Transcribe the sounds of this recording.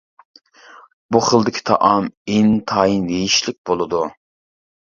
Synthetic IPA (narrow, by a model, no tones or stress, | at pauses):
buχəlˠd̪ɪkʲʰi̥t̪ʰɑ̰ʔɑmint̪ʰɑind̪ejiʃlɪk̚ʲbolˠɨd̪u